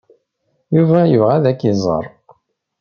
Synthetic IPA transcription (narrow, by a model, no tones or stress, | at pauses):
juvæjəvʁæðækːizˤə̰ɾˤ